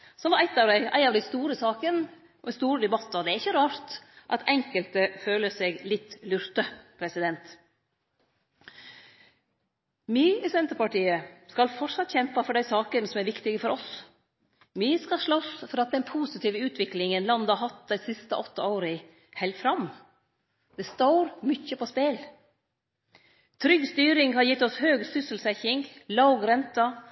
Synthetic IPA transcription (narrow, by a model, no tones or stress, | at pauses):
sɔmʋɑɾæɪt̪ɑʋd̪æɪʔæ̰ɪɑʋd̪æɪst̪uːɾəsɑːkən | ɔɛst̪uːɾəd̪ɛbɑt̪ːɔd̪ɛæɾɪçːəɾɑːɾt̪ʔɑt̪ʰɛŋkəlt̪əføːləsɛɡlɪt̪ːlʉɾt̪əpʰɾɛsɪd̪ɛnt̪ | miːisɛnt̪əɾpɑʈiːəskɑlfɔʂɑt̪ːçɛmpɑfɔɖæɪsɑːkənsɔmæɾʋɪkt̪ɪɡəfɔɾɔs | myːəskɑʂɭɔsfɔɾɑt̪̚d̪ɛnpʰuːsɪt̪ʰiːʋəʉːt̪ʰʋɪklɪŋənlɑnd̪ɑɾɦɑt̪̚d̪æɪsɪst̪əʔɔt̪ːəoːɾɪ | hɛɪlt̪fɾɑm | d̪̥ɛst̪oːɾmʏçəpʰɔspeːl | t̪ʰɾʏɡst̪yːɾɪŋhɑɾjɪt̪ːɔshøːɡsʏsəlsɛçɪŋɡlɑʊɡɾɛnt̪ɑ